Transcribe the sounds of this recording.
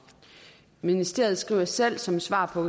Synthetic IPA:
minisd̥e̝ɐ̰ð̞̩ˠsɡ̥ʁḭːʊɐsel̰sɒ̽msʋɑ̰̈ːpʰɒ̽

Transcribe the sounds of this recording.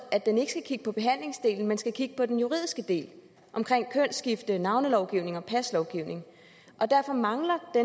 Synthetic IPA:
æd̥ene̝ɡ̥ə̥sɡ̥ækʰiɡ̥ə̥pʰɒ̽b̥e̝ɦæn̰le̝ŋsd̥e̝̰ːln̩mensɡ̥ækʰiɡ̥əpʰɒ̽d̥enjuʁḭðˠisɡ̥əd̥e̝̰ːl | ʔɒ̽mkʰʁeŋ̰kʰønsɡ̥ifd̥ənɑ̈ʊnəlɒʊɡ̥iʊne̝ŋɒ̽pʰæslɒʊɡ̥iʊne̝ŋ | ʔɒ̽d̥æɐfɒ̽mɑ̈ŋlɐd̥e

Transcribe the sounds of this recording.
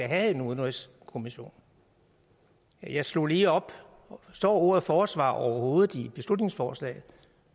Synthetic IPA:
æɦæðe̝nuðˠnʁɛs | kʰo̝miɕo̝̰ːn | jɑ̈ɪslo̝̰liːɒ̽b̥ | sd̥ɒ̰ːoɐfɒːsʋɑ̰̈ːɒʊɐho̝ːð̞̩ˠib̥e̝slud̥ne̝ŋsfɒːslɛ̰ːɪð̩ˠ

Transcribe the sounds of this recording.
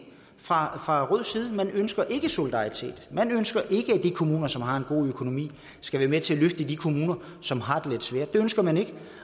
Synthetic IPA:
fʁɑ̈fʁɑ̈ʁɔð̰ˠsiːð̞̩ˠmænønsɡ̥ɐʔe̝ɡ̥əso̝lid̥ɑ̈it͡sʰe̝̰ːd̥mænønsɡ̥ɐʔe̝ɡ̥əæd̥ikʰo̝muːnɐsɒ̽mɦɑ̈e̝nɡ̥o̝̰ːøkʰo̝no̝mḭː | sɡ̥æʋæːɐmet͡sʰe̝æløfd̥əid̥ikʰo̝muːnɐ | sɒ̽mɦɑ̈d̥e̝le̝d̥sʋeɐ̰d̥d̥e̝ønsɡ̥ɐmæne̝ɡ̥ə

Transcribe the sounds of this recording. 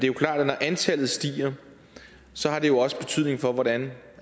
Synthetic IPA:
d̥e̝jokʰlɑ̰̈ːd̥ænɒʔænt͡sʰæl̰ð̩ˠsd̥ḭːɐ | sɒ̽ɦɑ̈de̝jo̝ɒ̽sə̥b̥e̝t͡sʰyð̰ˠne̝ŋfɒ̽ʋɒɾæn

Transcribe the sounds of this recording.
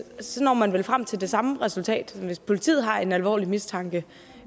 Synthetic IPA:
sɒ̽nɒ̰ːmænʋelfʁam̰t͡sʰe̝ld̥e̝sɑ̈məʁɛsult͡sʰɛ̰ːd̥mʋe̝spʰo̝lit͡sʰḭːð̞̩ˠɦɑ̈e̝nælʋɒ̰ːlimist͡sʰɑ̈ŋɡ̥ə

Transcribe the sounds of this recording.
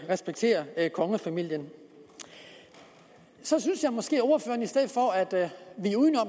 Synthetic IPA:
ʁɛsb̥eɡ̥̚t͡sʰe̝̰ːɐkʰɒ̽ŋəfæmil̰jən | sɒ̽synsjɑ̈ɪmɒ̽sɡ̥e̝̰ːɔʊɐfø̰ːɐnisd̥eð̰ˠfɒ̽æd̥ʋiuðnɒ̽m

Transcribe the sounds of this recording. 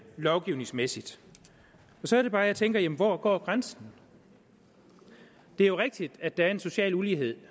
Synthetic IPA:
lɒʊɡ̥iʊne̝ŋsmesid̥ | ɒ̽sɒ̽æɐɾe̝b̥ɑ̈ːjäɪt͡sʰeŋɡ̥ɐjemn̩ʋɒːɡ̥ɒ̰ːɡ̥ʁansn̩ | d̥e̝æɐjo̝ʁɛɡ̥̚d̥id̥æd̥ææɐe̝nso̝ɕɛ̰ːluliːɦe̝ð̞̰ˠ

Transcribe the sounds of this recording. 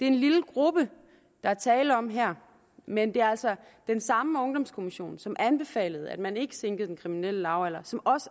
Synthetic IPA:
d̥e̝ɐe̝nliləɡ̥ʁub̥ə | d̥ɑ̈æɐt͡sʰɛːlɒ̽mɦæɐ̰ | mend̥e̝æɐælsɒd̥ensɑ̈məɔ̽ŋd̥ɒ̽mskʰo̝miɕo̝̰ːnsɒ̽mʔænb̥e̝fɛ̰ːləð̩ˠæd̥mæne̝ɡ̥ə̥seŋɡ̥əð̩ˠd̥enkʰʁiminel̰əlɑ̈ʊælɐsɒ̽mʔɒ̽sə

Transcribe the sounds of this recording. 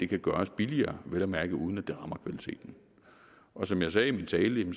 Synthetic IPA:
d̥e̝kʰæɡ̥ɶɐsb̥iliɐːʋelæmæɐɡ̥əʔuð̞ˠn̩æd̥e̝ʁɑ̈mɐkʰʋælit͡sʰe̝̰ːd̥n̩ | ʔɒ̽sɒ̽mjɑ̈ɪsɛːimint͡sʰɛːləjemn

